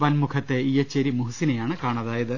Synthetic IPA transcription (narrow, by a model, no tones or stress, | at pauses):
ʋɐnmukʰɐt̪ːe̞ijɐt͡ɕːeɾimuɦusinejaːɳɨkaːɳɐðaːjɐðɨ